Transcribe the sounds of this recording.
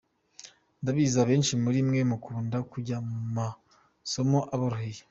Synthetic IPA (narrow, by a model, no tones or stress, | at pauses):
ndaβiːzaβe̞ːnʃimuɾimŋe̞mukuːndakuɟamuma | so̞mo̞ʔaβoɾuɦeje